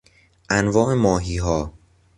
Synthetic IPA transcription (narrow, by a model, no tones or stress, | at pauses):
ʔænvɒːʔemɒːɦiːɦɒː